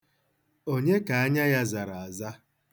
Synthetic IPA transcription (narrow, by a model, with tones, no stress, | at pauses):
o˦ɲe˦ka˨a˦ɲa˦ja˦za˨ɾa˨a˨za˦